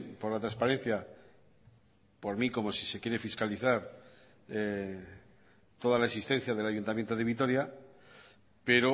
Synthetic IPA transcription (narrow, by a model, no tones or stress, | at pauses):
po̞ɾlat̪ɾaspaɾẽ̞n̟θja | po̞ɾmiko̞mo̞si̥se̞kje̞ɾe̞fiskaliθaɾ | t̪o̞ð̞alaesist̪ẽ̞n̟θjaðe̞laʝunt̪amje̞nt̪oð̞e̞βit̪̬o̞ɾja | pe̞ɾo